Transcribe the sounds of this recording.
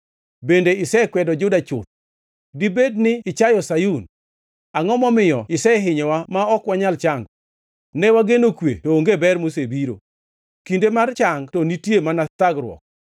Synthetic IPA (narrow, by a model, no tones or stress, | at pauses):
bendeɪsɛkwɛdɔd͡ʒʊdat͡ʃʊt̪̚ | dibednɪɪt͡ʃajɔsajun | aŋɔmɔmɪjɔɪsɛɦɪɲɔwamaɔkwaɲalt͡ʃaŋɡ | nɛwaɡenokwḛtoːŋɡebɛrmosebiɾo̰ | kindemart͡ʃaŋɡtɔnitjemanat̪aɡɾwɔ̰k̚